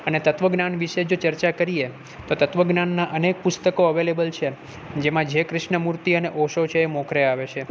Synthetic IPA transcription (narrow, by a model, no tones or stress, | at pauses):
ənet̪ət̪ʋəɡnanʋiʃed͡ʒot͡ʃəɾt͡ʃakəɾie | t̪ot̪ət̪ʋəɡnanːaʔənek̚pʊst̪əkoəʋelebəlt͡ʃʰe | d͡ʒemãd͡ʒekɾɪʃɳəmuɾt̪iəneʔoʃot͡ʃʰeːmɔ̃kɾeaʋet͡ʃʰe